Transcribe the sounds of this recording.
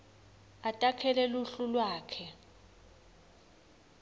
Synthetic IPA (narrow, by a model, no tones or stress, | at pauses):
atʼakʰɛlɛluɬulwaːkʰɛ